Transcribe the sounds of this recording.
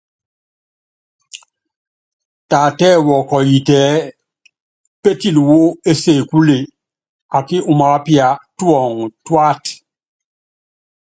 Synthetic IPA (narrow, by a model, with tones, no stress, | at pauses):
ta˨tɛ˦˨wɔ˨kɔ˨ji˨tɛ˨˦ | pe˦ti˨lwo˦e˦se˨ku˦le˨ | a˨ki˦ʔu˨ma˨˦pja˨twɔ˨ŋtwa˦t